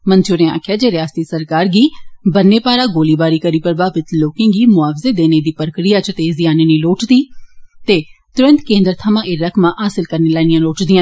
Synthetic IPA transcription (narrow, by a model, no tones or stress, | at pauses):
mənt͡ʃʊːɾẽːa̰ːkʰɪjaːd͡ʒeːɾɪaːst̪iːsəɾkaːɾɡiːbənːeːpaːɾaːɡoːliːbaːɾiːkəɾiːpɾəbaːʋɪt̪loːkãːɡiːmʊaːfzeːd̪eːneːd̪iːpəɾkɾijaːt͡ʃt̪eːzɪjaːneːniːloːʈd̪iːt̪eːt̪ʊɾə̃nt̪kẽːnd̪əɾt̪ʰəmãːʔeːɾəkʰmãːʔɦaːsɪlkəɾneːlaːnɪjãːloːʈd̪iãː